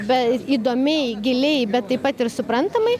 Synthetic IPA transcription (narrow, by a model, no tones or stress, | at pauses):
bʲɛiːd̪oːmʲɛɪɡʲɪlʲɛɪbʲɛt̪tːɐɪpɐt̪ɪɾsʊpɾɐnt̪ɐmɐɪ